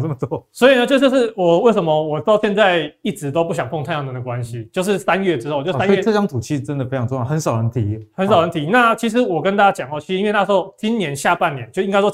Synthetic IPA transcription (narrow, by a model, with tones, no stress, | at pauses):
nə˥˩mə˩t̪ɔ˥swɔ˧˥i˨˩nə˩t͡ɕjo˥˧ʊʂ̬ɤ˥˧ʂɻ̩˥˩wɔ˨˩we˥˩ɪʂə˧˥mə˧wɔ˨˩t̪ɑ˥˧ʊɕjɛ˥˧nt͡sa˥˧ɪi˥˩ʈ͡ʂɻ̩˧˥t̪o˥ʊpu˥˩ɕ̬jɑ˨˩ŋp̪ʰo˥˧ŋt̪ʰjɑ˥˩ŋə˨˩d̪ə˩kwa˦nɕi˧t͡ɕjo˥˧ʊʂ̬ɻ̩˥˩sa˦nɥɛ˥˩ʈ͡ʂɻ̩˥xo˥ʊt͡ɕjo˥˧˥a˥ɔ˥i˥˧˨ʈ͡ʂɤ˥˧ʈ͡ʂɑ˥ŋt̪ʰu˨˩t͡ɕʰi˥˩ʈ͡ʂə˧˦nd̪ə˨fe˥ʈ͡ʂʰɑ˧˥ŋʈ͡ʂo˥˧jɑ˥˩xə˧˦nsɑ˨˩ʊɻə˧˦nt̪ʰi˨˥hə˧˦ns̬ɑ˨˩ɻə˧˥nt̪ʰi˨˧˦na˥˨t͡ɕʰi˧˥ʂ̬ɻ̩˧˥wɔ˨˩kə˦nt̪a˥t͡ɕa˥t͡ɕjɑ˨˩ŋɔ˥˩t͡ɕʰi˧˥˧we˥˧na˥˧ʂ̩˧˥o˥˩ʊt͡ɕʰi˦˥nnjɛ˧˦nɕja˥˧pa˥˩nnjɛ˨˦nt͡ɕo˥˧˩ŋka˥ɪʂwo˥